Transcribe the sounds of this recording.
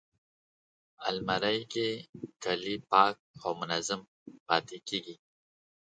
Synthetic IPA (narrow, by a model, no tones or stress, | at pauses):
almɐɾajkekalipɑːk̚owmʊnazəm | paːt̪ekiːɡi